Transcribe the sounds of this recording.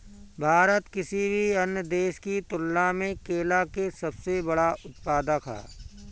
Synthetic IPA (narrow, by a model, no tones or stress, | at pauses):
bʱaːɾət̪kɪsibʱiɐnjəd̪eːʃkit̪ʊlːãmẽkeːlakesɐbsebɐɽaʊt̪̚paːd̪aka̰ː